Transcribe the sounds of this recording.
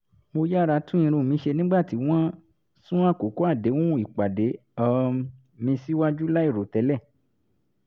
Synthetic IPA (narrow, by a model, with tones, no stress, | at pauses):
mo˧ja˦˨ɾa˧˦tũ˦ĩ˧ɾ̃ũ˧˨mĩ˧˦ʃe˧nĩ˦ɡ͡ba˦˨ti˧˦w̃ã˦ | sũ˦a˦˨ko˨ko˦a˦˨de˨˦wũ˦i˨k͡pa˨de˨˦ɔ˦ | mĩ˧si˦wa˦d͡ʒu˦la˦i˦˨ɾo˨tɛ˧˦lɛ˦˨